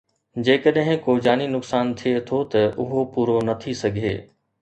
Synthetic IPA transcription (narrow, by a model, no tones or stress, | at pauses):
d͡ʑeːkəɗɦɪ̃koːd͡ʑaːninʊksaːnt̪ʰiet̪ʰot̪ɐʔʊɦopuːɾonɐt̪ʰisɐɡʱḛː